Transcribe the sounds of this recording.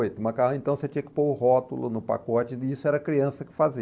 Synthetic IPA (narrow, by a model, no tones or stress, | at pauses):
jt̪ũmɐkaɦɐẽnt̪ɐ̃w̃set͡ʃĩɲɐkɪ̥pohɔt̪ʊlʊnʊpa̰kɔt͡ʃɪisʊɛɾɐkɾiɐ̃sɐkɪ̥fazi